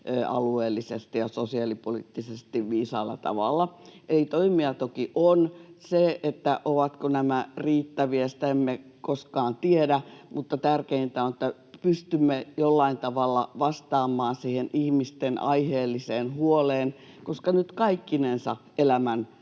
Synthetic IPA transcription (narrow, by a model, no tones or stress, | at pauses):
øɑ̰lueːlːisest̪ijɑsosiɑlipolḭːt̪ːisest̪iʋʋiːsɑ̰ilːɑ̰t̪ɑ̰ʋɑ̰lːɑʔelit̪oimiɑt̪okiʔonseet̪ːæʔoʋɑt̪konæmæriːt̪ːæʋiæsi̥t̪æemːekoskɑːnt̪iedæmut̪ːɑt̪ærkeint̪æonĕt̪ːæ | pyst̪ymːejolːɑint̪ɑʋɑlːɑ̰ʋɑst̪ɑːmːˑɑːnsiːhenʔihmist̪enʔɑ̰iheːlːiseːnhuoleːn | koskɑnyt̪kɑikːinensɑ̰ | elæmæn